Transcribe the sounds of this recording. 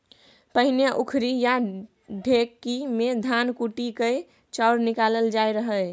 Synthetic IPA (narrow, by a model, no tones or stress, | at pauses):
pəɦinjaʔukʰɾija | ɖʱekːimed̪ʱankuʈikə | t͡ʃaɾnikaləld͡ʒaeɾəɦə